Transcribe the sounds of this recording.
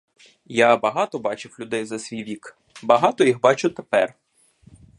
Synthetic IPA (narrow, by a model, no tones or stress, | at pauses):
jabɐɦɑt̪ɔbɑt͡ʃɪwlʲʊd̪ɛjzɐsʲʋʲijʋʲik | bɐɦɑt̪ɔjixbɑt͡ʃʊt̪epɛr